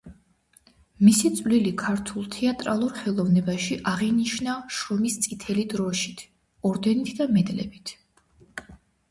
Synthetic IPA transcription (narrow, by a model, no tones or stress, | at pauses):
misit̪sʼvlilikʰaɾt̪ʰulˠt̪ʰɛat̪ʼɾalˠuɾχɛlˠɔvnɛbaʃiʔaʁiniʃnaʃɔmist̪sʼit̪ʰɛlid̪ɾɔʃi̥t̪ʰ | ɔɾd̪ɛnit̪ʰd̪amɛd̪lɛ̰bit̪ʰ